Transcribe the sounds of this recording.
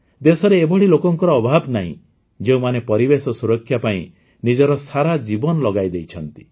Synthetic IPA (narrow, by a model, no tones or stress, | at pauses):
d̪esɔɾeːbɔɽilokɔŋkɔɾɔːbʱabnaɦḭ̃ | d͡ʒeũmanepɔɾibesɔsuɾɔkʰːjapaĩ | nid͡ʒɔɾɔsaɾad͡ʒibɔnɔlɔɡajd̪ejt͡ʃʰɔnt̪i̥